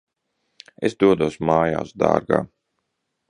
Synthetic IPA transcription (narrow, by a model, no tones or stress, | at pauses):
esd̪uɔd̪uɔsmaːja̰ːsd̪a̰ːɾɡa̰ː